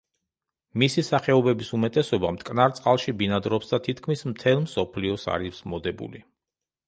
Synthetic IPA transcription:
misisaχɛɔbɛbisumɛt̪ʼɛsɔbamt̪ʼkʼnaɾt̪sʼqʼalˠʃibinad̪ɾɔpsd̪at̪ʰit̪ʰkʰmismt̪ʰɛlˠmsɔpʰliɔsa̰ɾismɔd̪ɛbṵli

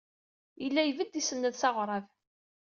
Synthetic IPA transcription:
jəlːæjvəd̪isənːəðsɑʁɾˤɑv

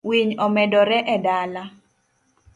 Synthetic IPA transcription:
wiɲɔmɛdɔɾɛʔɛdala

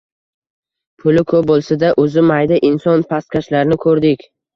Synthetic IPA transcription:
pʰʊlɪkʰɵp̚bolˠsad̪aʔɵzɪmajd̪aʔɪnsɒnpʰast̪̚kʲaʃlaɾnɪkʰɵɾd̪ɪkʲ

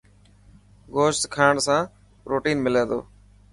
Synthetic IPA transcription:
ɡoːʃt̪kʰaːɳsãː | ɾoːʈiːnmɪlẽːd̪o̰ː

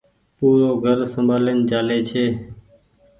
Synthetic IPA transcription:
puːɾoːɡʱəɾsəmbʱaːlend͡ʒaːleːt͡ʃʰeː

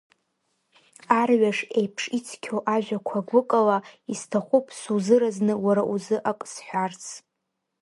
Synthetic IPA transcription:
arɥaʂejpʰʂit͡sʰkʲʰoʔaʒᶣakʷʰaɡʷʊkʼalaistʰaχʷupʰʼsuzɨɾaznɨwaɾaʔuzɨʔakʼsħʷᶣart͡sʰ

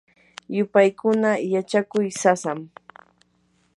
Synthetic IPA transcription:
jʊpajkʊnajat͡ʃakʊjsasam

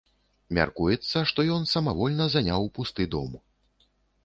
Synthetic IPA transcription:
mʲa̰rkujɛt̪sːɐʂt̪ɔjɔnsɐmavɔlʲnɐzanʲawpust̪ɨd̪ɔ̰mu

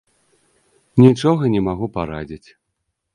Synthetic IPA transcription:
nʲit͡ʂɔɣɐnʲɛmaɣupaɾad͡zʲit͡sʲ

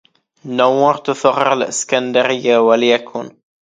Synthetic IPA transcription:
nːawːɑːɾˤt̪ʊθɑɣːɪɾalʔɪ̰skand̪aɾɪjːawaljakʰuːn

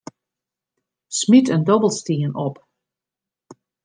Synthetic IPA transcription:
smitəndɔbəl̩ˠstiənʔɔp

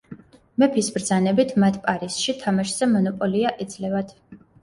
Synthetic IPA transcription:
mɛpʰisbɾd̪zanɛbit̪ʰmat̪ʰpʼaɾisʃit̪ʰamaʃz̥ɛmɔnɔpʼɔliaʔid̪zlɛvad̪̥

